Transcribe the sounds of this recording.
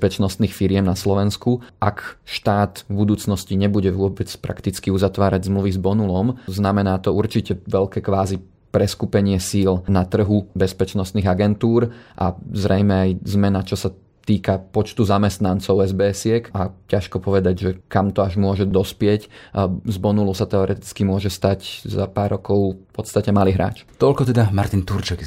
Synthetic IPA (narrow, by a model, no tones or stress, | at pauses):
pɛt͡ʃnɔst̪niːxfiɾɪɛmnaslɔʋɛnskuʔakʃt̪aːt̪vbud̪uːt͡snɔsciɲɛbuɟɛʋʊɔbɛt͡spɾa̰kt̪it͡skiuzat̪ʋaːɾaɟzmluʋizbɔnulɔmznamɛnaːt̪ɔuɾt͡ʃicɛʋɛʎkɛkʋaːzi | pɾɛskupɛɲɪɛsiːlnat̪r̩ɦubɛspɛt͡ʃnɔst̪niɣaɡɛnt̪uːɾʔa̰zɾɛjmɛajzmɛnat͡ʃɔsa | t̪iːkapɔt͡ʃt̪uzamɛst̪nant͡sɔʊɛzbɛːsɪɛkacaʃkɔpɔʋɛd̪aɟʒɛkamt̪ɔaʒmʊɔʒɛd̪ɔspɪɛczbɔnulusat̪ɛɔɾʔɛt̪i̥t͡skimʊɔʒɛst̪aczapaːɾːɔkɔʊpɔt̪st̪acɛmaliːɦɾa̰ːt͡ʃt̪ɔʎkɔt̪ɛd̪amaɾt̪int̪uɾt͡ʃɛɡ